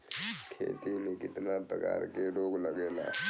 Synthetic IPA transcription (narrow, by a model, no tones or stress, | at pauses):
kʰḛːt̪imẽkɪt̪nap̪ə̰ka̰ːɾkeɾoːɡləɡeːla̰ː